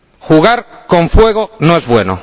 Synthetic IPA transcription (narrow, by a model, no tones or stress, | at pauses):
xuɣ̞aɾkoɱfwe̞ɣonoe̞zβwe̞no̰